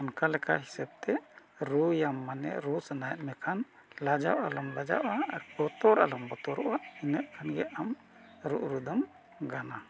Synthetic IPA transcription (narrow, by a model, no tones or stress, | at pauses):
ɔnkalɛkaɦisab̚t̪ɛ | ɾujamːanɛ̰ʔɾusanajɛt̪̚mɛkʰan | lad͡ʒa̰wʔalɔmlad͡ʒa̰ʔaaɾbɔt̪ɔɾa̰lɔmbɔt̪ɔɾɔʔaʔinəʔ̪kʰanɡɛʔam | ɾuʔɾud̪ɔm | ɡana